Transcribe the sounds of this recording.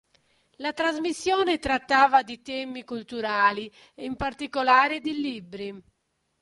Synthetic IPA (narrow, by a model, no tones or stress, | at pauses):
lat̪ɾazmisːjɔːnet̪ɾat̪ːaːvad̪it̪ɛːmikult̪uɾaːli | eimpaɾt̪ikolaːɾed̪ilibɾi